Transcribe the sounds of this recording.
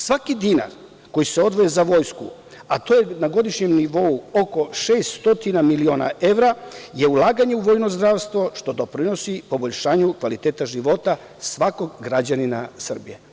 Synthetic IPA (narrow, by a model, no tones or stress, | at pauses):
sʋakid̪ina̰ɾ | ko̞jiseo̞d̪ʋo̞jezaʋo̞jsku | at̪o̞jenaɡo̞d̪iʃɲe̞mniʋo̞uo̞ko̞ʃeːst̪st̪o̞t̪inamilio̞ːna̰ʔe̞ʋɾaje̞ulˠaːɡaɲe̞uʋo̞ːjno̞zd̪ɾaʋst̪ʋo̞ʃt̪o̞d̪o̞pɾino̞sipo̞bo̞ʎʃaːɲukʋalit̪eːt̪aʒiʋo̞t̪a | sʋako̞ɡɡɾad͡ʑaninasr̩bije